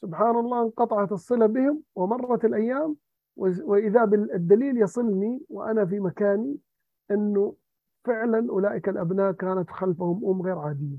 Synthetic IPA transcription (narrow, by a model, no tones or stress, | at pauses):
sʊbħaːnɑlˤːɑːqɑt̪ˤɑʕɑt̪ɨsˤːɨlabɪhɪmwɪmɑrˤːɑt̪ɪlʔajːaːm | wɪwɪʔɪðabɪd̪ːaliːljɑsˤɨlniwɪ̰ʔanafimakaːni | ʔɪnːʊ | fɪʕlanʔʊlaːʔɪkalʔabnaːʔkaːnat̪xalfahʊmʔʊmːɣeːɾʕaːd̪ɪjːa